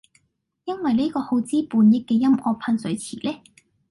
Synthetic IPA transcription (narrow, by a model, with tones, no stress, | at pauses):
jɐ˥nwɐ˨jle˥kɔː˧ho˨˥wt͡siː˥puː˨˧njɪ˨˥k̚ːɛː˧jɐ˥mʔɔː˧k̚pʰɐ˧nsɵ˨˧ɥjt͡sʰḭː˨˩lɛː˥